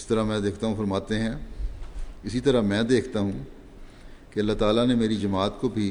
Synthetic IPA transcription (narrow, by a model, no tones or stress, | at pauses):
st̪ɐɾamɛ̃ːd̪eːkʰt̪aɦũfɐɾmaːt̪eɦɛ̃ | ɪsit̪ɐɾamɛ̃ːd̪eːkʰt̪aɦũ | keɐlːat̪aːlanemeːɾid͡ʒɐmaːt̪kobʱi